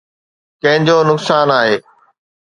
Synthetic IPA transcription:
kɐ̃ɦɪ̃ɲd͡ʑoːnʊksaːnaːɦeː

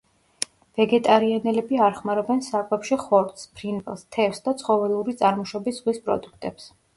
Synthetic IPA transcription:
v̥ɛɡɛt̪ʼaɾianɛlɛbiaɾχmaɾɛbɛnsakʼɛpʃiχɔɾt̪spʰɾinvʼɛlˠst̪ʰɛfsd̪at̪sʰχɔvɛlˠuɾit̪sʼaɾmɔʃɔbisʁwispʼɾɔ̰d̪ukʰt̪ʼɛps

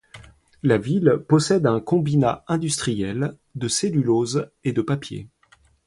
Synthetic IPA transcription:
lavilpɔsɛd̪ɛ̃kɔ̃binaɛ̃d̪yst̪χijɛl | d̪əselylozed̪əpapjḛ

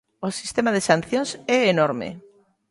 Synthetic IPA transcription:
osist̪emaðesan̟θjõŋsɛenoɾmḛ

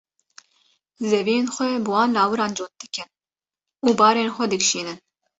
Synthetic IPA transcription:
zɛvijeːnxʷɛbɨwɑːnlɑːwɨɾɑːnd͡ʒoːn̚d̪ɨkɨn | uːbɑːɾeːnxʷɛd̪ɨkʃiːnɨn

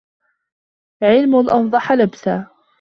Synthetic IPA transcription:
ʕɪlmʊnʔɑfd̪ˤɑħɑlabsaː

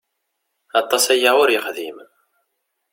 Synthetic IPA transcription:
ɑt̪ˤːɑsæjaʊɾjəχðḭm

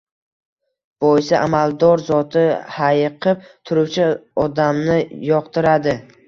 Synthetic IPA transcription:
b̥ojɪsaʔamald̪ɒɾzɒt̪ʰɪhajqʰɨp̚t̪ʰʊɾʊwt͡ʃʰɪɒd̪amnɪjɒqt̪ɪɾad̪ɪ

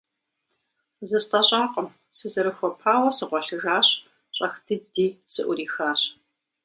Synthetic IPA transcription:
zɨstʼɐɕʼaːqʼəm | sɨzɐɾɨxʷɔpʰaːwɐsɨʁʷɔɬɨɣaːɕ | ɕʼɐxdɨdiːsɨʔʷʊɾiːxaːɕ

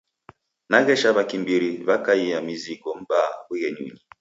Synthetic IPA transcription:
naɣɛʃaβakimbiɾiβakaiamizikɔm̩bawiɣɛɲḭɲi

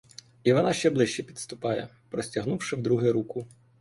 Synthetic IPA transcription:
iʋɔnɑʃt͡ʃɛblˠɪʃt͡ʃɛpʲid̪st̪ʊpɑjɛ | pɾɔsʲtʲɐɦnuwʃɪwd̪ɾuɦɪɾukʊ

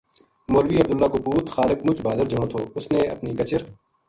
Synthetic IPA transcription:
moːlʋiːɐb̚d̪ʊlːaːkopuːt̪xaːlɪk̚mʊt͡ʃbaːd̪əɾd͡ʒɐɽ̃õt̪ʰoːʊsneɐ̰pnikɐt͡ʃəɾ

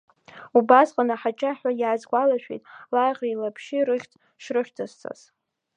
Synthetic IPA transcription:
ubasqʼanaħat͡ʃʼaħʷᶣajaːzɡʷʼalaʃᶣḛtʼlajʁʲailapʰʃɪrɨχʲtʰʼ | ʂrɨʃᶣtʰast͡sʰa̰z̥

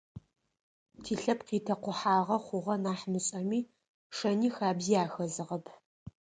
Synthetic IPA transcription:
tʰiːɬɐpqiːtʰɐqʷʊħaːʁɐχʷʊʁɐnaːħmɨɕʼɐmiː | ʂɐniːxaːbzijaːxɐzɨʁɐpʰ

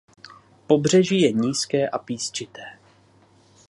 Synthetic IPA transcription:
po̞br̝ɛʒiːjɛɲiːskɛːʔapiːst͡ʃɪt̪ɛː

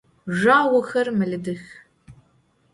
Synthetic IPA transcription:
ʒaːwɐxɐrmɨɮɨdɨx

